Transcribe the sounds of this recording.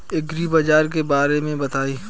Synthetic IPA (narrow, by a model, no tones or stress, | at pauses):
ɪɡɾibɐd͡ʒaːɾk̬ebaːɾemẽbɐt̪aːiː